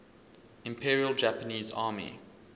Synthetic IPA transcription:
ɪ̃mpʰiːɹiəlˠd͡ʒæpəniːzɑ̰ːmḭ

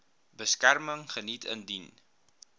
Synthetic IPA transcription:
bəskærməŋχənitʰə̰ndin

